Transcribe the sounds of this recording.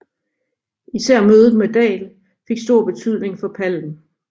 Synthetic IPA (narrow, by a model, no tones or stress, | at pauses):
isæɐ̰møːðˠdmed̥ɛ̰ːl | fe̝ɡ̥sd̥o̝ɐ̰b̥e̝t͡sʰyð̞̰ˠne̝ŋfɒ̽pʰæln̩